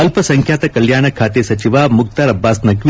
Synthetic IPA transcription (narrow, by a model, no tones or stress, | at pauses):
ɐlpɐsɐŋkʰjaːt̪ɐkɐljaːɳɐkʰaːt̪esɐt͡ʃiʋaːmuk̚t̪ɐɾɐbːaːsnɐkʋi